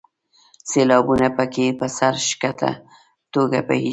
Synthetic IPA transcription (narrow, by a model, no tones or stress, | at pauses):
selɑbunapəkepəsaɾʃkat̪ʰa̰ | t̪oɡa̰pə̰hi